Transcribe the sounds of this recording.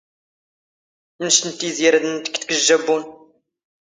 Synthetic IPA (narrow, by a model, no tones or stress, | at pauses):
nʃnt̪ːiziɾd̪nt̪əkt̪kəʒːæbun